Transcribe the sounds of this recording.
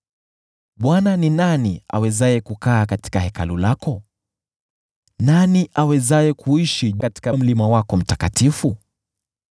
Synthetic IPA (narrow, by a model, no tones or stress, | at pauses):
ɓwananinania̰wɛzajɛkukaːkati̥kahɛka̰lulakɔ | naniʔawɛzajɛkʰuiʃikati̥kam̩limawakɔm̩takatifu